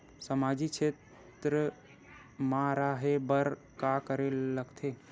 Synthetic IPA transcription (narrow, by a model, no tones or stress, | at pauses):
səmad͡ʒikt͡ʃʰet̪ | ɾə | maɾaɦebəɾ | kakəɾeləɡt̪ʰe